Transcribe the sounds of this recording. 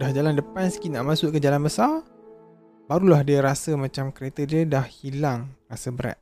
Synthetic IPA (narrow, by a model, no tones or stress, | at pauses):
dahd͡ʒalandəpansə̥kinaʔmãsʊʔkəd͡ʒalanbəsar | baɾulahdiaɾasəmãt͡ʃamkəɾet̪ədiədahhilaŋrasəbəɾa̰t̪̚